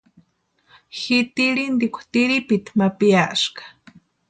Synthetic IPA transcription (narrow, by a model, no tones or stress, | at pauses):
xit̪iɾind̪ikʷḁt̪iɾipit̪mapiaʔʃkḁ